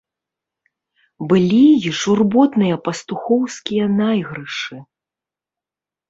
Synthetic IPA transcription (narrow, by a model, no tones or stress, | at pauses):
bɨlʲiʐurbɔt̪nɨjɐpɐst̪uxɔwskʲijɐnajɣɾɨʂɨ